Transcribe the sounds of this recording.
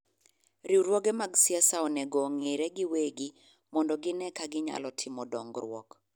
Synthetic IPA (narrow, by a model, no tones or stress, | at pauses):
ɾiwɾwɔɡɛmaɡsɪasaɔnɛɡɔŋeɾɛɡɪweɡɪ | mɔndɔɡɪnɛkaɡɪɲa̰lɔtʰɪmɔdɔ̰ŋɡɾwɔ̰k